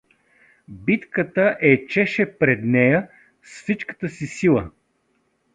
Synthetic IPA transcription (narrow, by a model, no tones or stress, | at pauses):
bit̪kət̪əʔɛt͡ʃɛʃɛpɾɛd̪nɛjə | sfsit͡ʃkə̥t̪əsisilˠə